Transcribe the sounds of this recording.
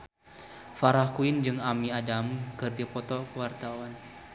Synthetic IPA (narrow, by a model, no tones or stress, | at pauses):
faɾahkuɪnd͡ʒɨŋamiadamkɨrdipɔt̪ɔkəwart̪awan